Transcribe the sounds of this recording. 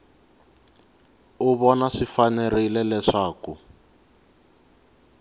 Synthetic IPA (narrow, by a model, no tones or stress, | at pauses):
uβɔnaʂifanɛrilɛlɛʂaːku